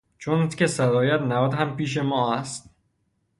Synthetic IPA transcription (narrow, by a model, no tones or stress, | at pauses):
t͡ʃʰont̪kʲesæɾɒːjæt̪nævæd̪ɦæmpiːʃ̬e̞mɒːæst̪̚